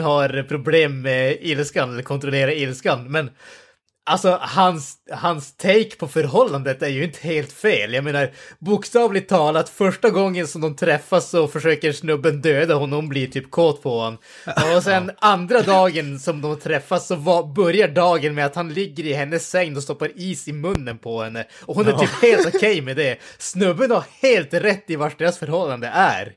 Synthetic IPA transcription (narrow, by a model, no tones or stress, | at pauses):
haɾpʰɾʊbleːmːɛɪlskanɛlːəɾkʰɔnt̪ɾɔleːɾaɪlskanmɛn | ʔalsɔhanshanst̪ʰɛjkpʰɔfœɾɦɔlːand̪ət̪æɾjɵɪnt̪ʰə̥heːlt̪feːljameːnaɾbʊkst̪ɑːvlɪt̪ʰːɑːlat̪fœʂʈaɡɔŋːənsɔmd̪ɔmt̪ʰɾɛfːasːɔfœʂøːkəɾʂnɵbːənd̪øːd̪ahʊnːhʊmbliʈʰyːp̚kʰoːt̪pʰɔhan | ɔsɛnand̪ɾad̪ɑːɡənsɔmd̪ɔmhat̪ʰɾɛfːasːɔvɑbœɾjaɖɑːɡənmɛat̪hanlɪɡːəɾɪɦɛnːəsːɛŋnɔst̪ɔpːaɾiːsɪmɵnːənpʰɔhɛnːəɔhʊnæɾʰyːpheːlt̪ɔkʰɛjmɛd̪ɛsnɵbːənhaɾheːlt̪ɾɛt̪ːɪvaʂɖeːɾasfœɾhɔlːand̪əʔæ̰ɾ